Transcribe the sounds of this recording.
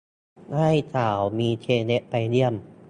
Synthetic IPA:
ha˥˩jsʰaː˨˩˦wmiː˧t͡ɕʰeː˧ne˦˥ʔpa˧jdi˧˩əm

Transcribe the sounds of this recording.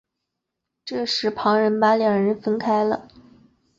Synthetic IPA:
ʈ͡ʂɤ˥˩ʂɻ̩˧˥pʰɑ˧˥ŋɻə˧˥npa˧˥ljɑ˨˩ŋɻə˧˥nfə˥nkʰa˥ɪlə̰˨

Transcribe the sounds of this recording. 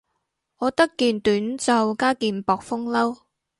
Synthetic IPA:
ŋɔː˨˧t̪ɐ˥kːiː˨˧nt̪yː˨˥nt͡sɐ˨wkaː˥kiː˨npɔː˨k̚fʊ˥ŋlɐ˥w

